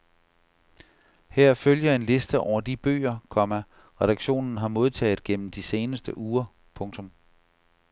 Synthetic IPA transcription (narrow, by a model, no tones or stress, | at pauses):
heɐ̰føljɐe̝nle̝sd̥əʔɒʊ̰ɐd̥ib̥ø̰ːɐkʰɒ̽mæ | ʁɛɾ̥ɑ̈ɡ̥ɕo̝̰ːnn̩ɦɑ̈mo̝ð̞ˠt͡sʰɛ̰ːð̩ˠɡ̥en̰m̩d̥ise̝ːnəsd̥əʔuːɐ | pʰɔ̽ŋt͡sʰɔ̽m